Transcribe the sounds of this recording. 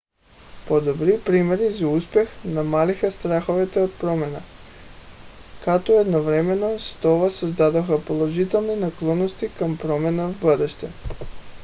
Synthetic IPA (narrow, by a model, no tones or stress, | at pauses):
pod̪obɾipɾimɛɾizauspɛxnamalixast̪ɾaxovɛt̪ɛot̪̚pɾɔmɛna | kat̪oɛd̪novɾɛmɛnost̪ɔvasozd̪ad̪oxapolˠoʒit̪ɛlˠninaklˠɔnost̪ikampɾɔmɛnavbəd̪ɛʃt̪ɛ